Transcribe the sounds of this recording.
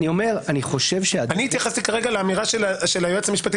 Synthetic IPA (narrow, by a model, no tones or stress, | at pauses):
nio̞me̞ʁaniχo̞ʃe̞vʃeaaniːt̪jaχast̪ikaʁeɡaleːmiʁaʃeʃelajot͡samiʃpat̪i